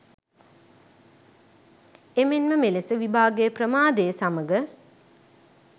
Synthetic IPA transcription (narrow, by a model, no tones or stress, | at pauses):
emenməmelesəʋibʱaːɡəjəprəmaːd̪ejəsaməɡə